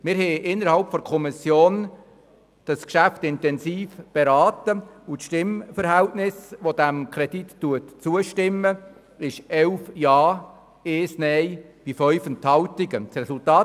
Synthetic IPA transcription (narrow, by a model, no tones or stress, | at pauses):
mɪɾhɛʔɪnːəɾhɑlpfɔɾkʰɔmisjoːn | d̥ɑskʃæftɪntɛnsiːfb̥eɾɑːt̪əutʃtɪmfəɾɦæltnɪsʋod̥̪æmkʰɾɛditːuətt͡suəʃtɪmːə | ɪʃɛlfjɑː | eːsnɛjb̥ifœɥfənt̪hɑltɪɡət͡ssɾɛsultɑː